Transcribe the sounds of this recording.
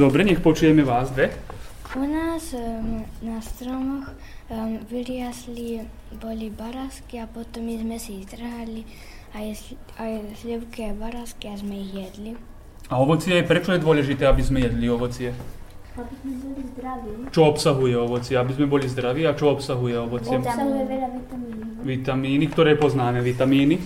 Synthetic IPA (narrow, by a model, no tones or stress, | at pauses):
d̪ɔbɾɛɲɛxpɔt͡ʃujɛmɛʋaːzd̪ʋɛunaːz | nast̪ɾɔmɔx | ʋiɾɪasli | bɔlibaɾaskiapɔt̪ɔmizmɛsizd̪r̩ɦali | aj | ajsʎɛʊkɛːbɔɾaskiazmɛiɣjɛd̪li | aɔʋɔt͡sɪɛajpɾɛt͡ʃɔjɛd̪ʊɔlɛʒit̪ɛːabizmɛjɛd̪liɔʋɔt͡sɪɛabizmɛbɔlizd̪ɾaʋiːt͡ʃɔɔpsaɦujɛɔʋɔt͡sɪɛabizmɛbɔlizd̪ɾaʋiːat͡ʃɔɔpsaɦujɛɔʋɔt͡sɪɛɦujɛʋɛlaʋit̪amiːnuʋit̪amiːnikt̪ɔɾɛːɛpɔznaːnɛːʋit̪amiːni